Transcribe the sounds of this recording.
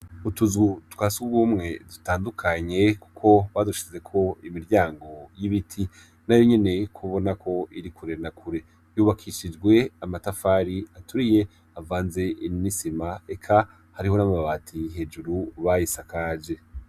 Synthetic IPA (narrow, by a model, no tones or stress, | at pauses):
utuzɡutwasuɡuɡumŋe̞dutaːndukʰaɲe̞ku̥kʰo̞βaduʃi̥ze̞kʰo̞imiɾɟaːŋɡo̞jiβitʰi | najo̞ɲe̞ne̞kʰuβo̞nakʰo̞iɾikuɾenakʰuɾe̞ | juːβakʰiʃid͡ʒɡwe̞amatafaːɾiatuɾije̞ | avaːnze̞ʔinnisimaekʰa | haɾiho̞namaβaβatʰiɦe̞ːd͡ʒuɾuβajisakaːd͡ʒe̞